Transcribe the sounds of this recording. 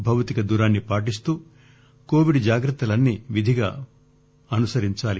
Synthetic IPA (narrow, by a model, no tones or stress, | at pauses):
bʱɐʋt̪ikɐd̪uːɾaːnːipaːʈis̬t̪uː | ko̞ːʋiɖd͡ʒaːɡɾɐt̪ːɐlɐnːiʋid̪ʱiɡa̰ː | ɐnusɐɾiɲt͡ʃaːli